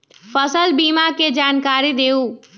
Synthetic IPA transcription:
fəsəlbiːmaked͡ʒaːnkaːɾid̪eːu

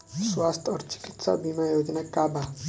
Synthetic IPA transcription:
swast̪ʰʌɾt͡si̥kit̪sa̰bimajod͡zinakaba

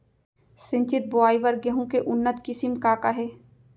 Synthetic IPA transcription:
sɪ̃ɲt͡ʃɪt̪̚bʊaːiʋəɾɡeɦũkeʔʊnːət̪kɪsɪmkaːkaɦɛː

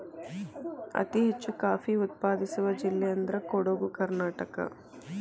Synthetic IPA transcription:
ɐ̰t̪iɦet͡ʃːukaːfiut̪̚paːd̪isuʋɐd͡ʒilːɛjɐnd̪ɐɾɐkoɽoɡukɐɾnaːʈɐkɐ̰

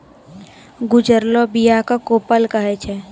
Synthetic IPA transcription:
ɡʊd͡ʒəɾlobijakakoːpəlkəɦɛt͡ʃʰɛ

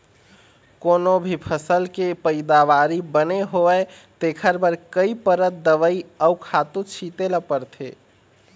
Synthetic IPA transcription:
konobʱipʰəsəlkepəɪd̪aʋaɾibəneɦoɛ | t̪ekʰəɾbəɾkəipəɾət̪̚d̪əʋəiəkʰat̪ũt͡ʃʰit̪eləpəɾt̪ʰḛ

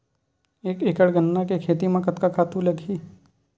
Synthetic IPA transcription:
eːkeːkəɽɡənːakekʰeːt̪imãkɐt̪kakʰaːt̪ulɐɡʱiː

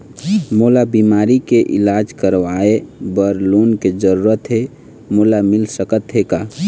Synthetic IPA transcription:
moːlabiːmaːɾikeʔɪ̰laːd͡ʒkəɾʋaːebəɾluːnked͡ʒəɾuːɾət̪ɦe | moːlamɪlsəkət̪ɦekaː

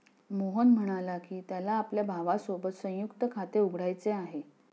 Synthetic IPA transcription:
moɦənm̤əɽ̃alakiːt̪jalaːpljabʱaʋasobət̪sə̃jukt̪əkʰat̪euɡʱɽajt͡seaɦe

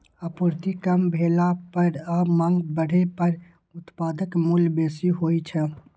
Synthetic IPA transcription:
əpuɾt̪ikəmbʱeːlapəɾamãːŋɡbəɽ̤epəɾ | ʊt̪paːd̪əkmulbeːsiɦoːit͡ʃʰə

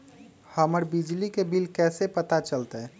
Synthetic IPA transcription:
həməɾbid͡ʒlikebilkɛːsepət̪at͡ʃəlt̪ɛ

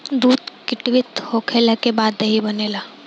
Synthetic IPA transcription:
d̪uːd̪kɪʈʋɪt̪hoːkʰelakebaːd̪ɐɦibɐneːlaː

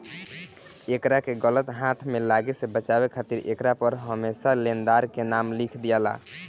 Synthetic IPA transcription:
ekɾakeɡələt̪ɦãt̪ʰmelaɡesebət͡ʃabekʰat̪iɾekɾapəɾɦəmesalend̪aɾkenamlikʰd̪ijala̰

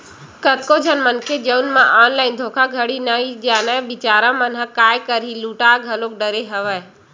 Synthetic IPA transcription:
kət̪̚kod͡ʒʱənmənkʰed͡ʒəunmãʔaːnlaːɪnd̪ʱoːkʰaɡʱəɽinaid͡ʒaːnãbɪt͡ʃaːɾãmənɦəkaːjkəɾiluːʈaːɡʱəlok̚ɖəɾeɦəʋəj

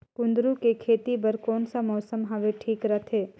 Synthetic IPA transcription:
kʊ̃nd̪ɾũkekʰeːt̪ibɐɾkɔːnsamɔːsəmɦɐʋeʈʰiːkɾɐt̪ʰɦeː

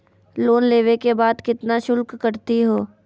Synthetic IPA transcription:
loːnleːʋekebaːd̪kɪt̪naʃʊlkːɐɾt̪iɦoː

